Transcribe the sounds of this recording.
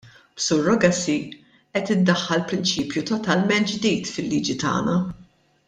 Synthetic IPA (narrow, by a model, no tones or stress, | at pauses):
b̥suːɾːɔɡɐsi | ʔɛt̪ɪd̪ːɐħːɐlpɾɪnt͡ʃiːpjut̪ɔt̪ɐlmɛnt̪̚d͡ʒd̪iːt̪fɪlːiːd͡ʒit̪ɐ̰ːnɐ